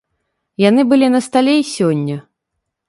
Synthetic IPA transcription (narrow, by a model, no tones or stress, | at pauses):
janɨbɨlʲinɐst̪alʲeisʲɔnʲːɐ